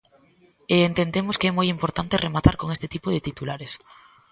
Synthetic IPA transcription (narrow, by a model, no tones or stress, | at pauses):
eːnt̪end̪emoskeɛmojimpoɾt̪ant̪ɪremat̪a̰ɾkoŋest̪ɪt̪ipoðet̪it̪ulaɾes